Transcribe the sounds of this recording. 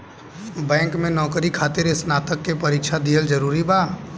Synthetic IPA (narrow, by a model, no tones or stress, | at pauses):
bɛ̃ːŋkmẽnɔːkɾikʰaːt̪ɪɾɪsnaːt̪əkːepɐɾiːkʃʰad̪ʱiɦəld͡ʒəɾuːɾibaː